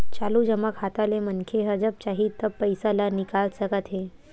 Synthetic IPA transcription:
t͡ɕalud͡ʑəmakhat̪alemənkʰeɦəd͡ʒəb̚t͡ɕaɦit̪əpːəjsalanikalsəkət̪ɦe

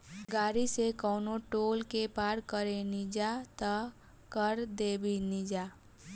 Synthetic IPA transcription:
ɡaːɾisekəʊnoʈoːlkepaːɾkəɾenid͡ʒat̪ə | kəɾd̪ebinid͡ʒa

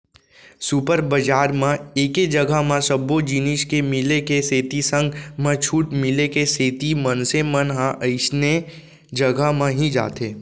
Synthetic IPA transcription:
supəɾbəd͡ʒaːɾmãeːked͡ʒəɡamãsəbod͡ʒɪniʃkemɪlekeseːt̪isə̃ŋɡmãt͡ʃʰuːʈmɪlekeseːt̪imənsemənɦãʔəɪʃne | d͡ʒəɡamãɦĩd͡ʒa̰ːt̪eː

